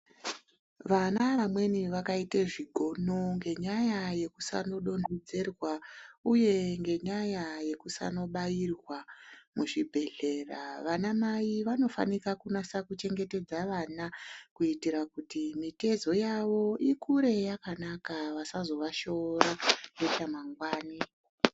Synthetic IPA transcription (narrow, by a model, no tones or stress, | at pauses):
ʋanaʋamwe̞niʋakaiteʐiɡʱo̞noŋɡe̞ɲajaje̞kusa̰no̞ɗo̞ndid͡zerwauje̞ŋɡe̞ɲajaje̞kusa̰no̞ɓairwamuʐibʱe̞ɮe̞raʋanamaiʋano̞fa̰nikakunasakut͡ʃe̞ŋɡe̞te̞d͡zaʋanakuitiɾakutimite̞zo̞jaʋo̞ikuɾe̞jakanakaʋasazo̞ʋaʃo̞ɾaetamaŋɡwaːni